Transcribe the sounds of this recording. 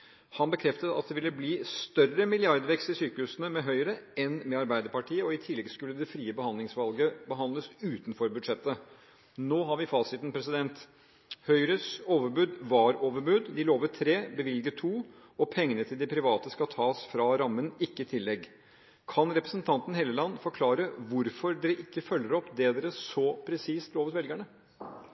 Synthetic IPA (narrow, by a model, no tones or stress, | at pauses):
hɑnbəkʰɾɛft̪ət̪ɑ̰t̪̚d̪ɛʋɪlːəbliːst̪œrəmɪlɪɑɾd̪ʋɛkst̪ɪsyːkəʉsənəmɛɦœʏɾəɛnmɛɑɾbæɪd̪əɾpɑʈʰiːəɔɪt̪ʰɪlːɛɡskʉlːəd̪ɛfɾiːəbəhɑnd̪lɪŋsʋɑlɡəbəɦɑnd̪əsʉːt̪n̩fɔɾbʉd̪ʂɛt̪ːə | noːɦɑɾʋɪfɑːsɪt̪ən̩pʰɾɛs̬ɪd̪ɛnt̪ | hœʏɾəsoːʋəɾbʉd̪ʋɑːɾoːʋəɾbʉd̪d̪ɪloːʋət̪ʰɾeːbəʋɪlɡət̪ʰuː | ɔpʰɛŋːənət̪ʰɪld̪ɪpʰɾɪʋɑːt̪əskɑt̪ʰɑːsfɾɑɾɑmːənɪkːəɪt̪ʰɪlːɛɡ | kʰɑnɾɛpɾəsnt̪ʰɑnt̪ən̩heːləlɑnːəfɔɾkʰlɑːɾəʋʊɾfɔɾd̪ɛɾəʔɪkːəfœlːəɾɔpd̪ɛd̪ɛːɾəsɔpʰɾɛsiːst̪loːʋət̪ʋɛlɡæɳə